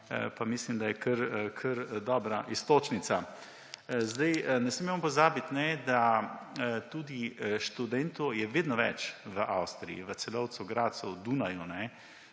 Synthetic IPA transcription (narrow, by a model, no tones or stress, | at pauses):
pamislimd̪ajɛkəɾkʰəɾd̪ɔːbɾaʔist̪oːt͡ʃnit̪sa | zd̪ajnɛsmimmampɔzaːbit̪nɛd̪a | t̪uːd̪iʃt̪ud̪ɛnt̪ɔjɛʋeːd̪nɔʋɛ̰t͡ʃʋəʔawst̪ɾijḭʋət̪sɛlɔwt̪suɡɾaːt̪̚sɛwd̪uːnajunɛ